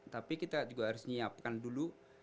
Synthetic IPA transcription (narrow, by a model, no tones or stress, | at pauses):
t̪apikit̪ad͡ʒuɡaɦaɾʊsɲiap̚kandulu